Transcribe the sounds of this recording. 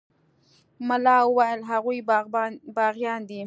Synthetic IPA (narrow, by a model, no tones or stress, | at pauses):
malɑwəwajəlɦaɣuj | bɑɣjɑnd̪i